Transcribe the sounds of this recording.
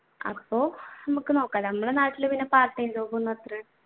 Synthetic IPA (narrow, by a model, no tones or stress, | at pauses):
ɐ̰pːo̞ːnɐmukːɨno̞ːkːaːnɐmːɨɽenaːʈːilɨpinːepaːrʈːɐjnd̪oːkunːɐɐt̪ːrɐ